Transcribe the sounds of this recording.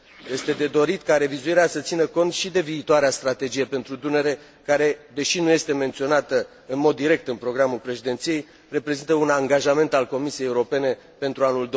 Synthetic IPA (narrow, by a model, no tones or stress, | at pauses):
je̞st̪e̞d̪e̞d̪o̞ɾit̪kaɾe̞vizuiɾeasət̪sinəko̞nt̪ʃid̪e̞viːt̪oaɾeast̪ɾat̪e̞d͡ʒije̞pe̞nt̪ɾud̪une̞ɾe̞ | kaɾe̞d̪e̞ʃinuje̞st̪e̞me̞nt̪sio̞nat̪ə | ɨnmo̞d̪ːiɾe̞k̚t̪ɨnpɾo̞ɡɾamulpɾe̞ʃid̪e̞nt̪sije̞j | re̞pɾe̞zint̪əunaŋɡaʒame̞nt̪alko̞misijejːuɾo̞pe̞ne̞ | pe̞nt̪ɾuanuld̪o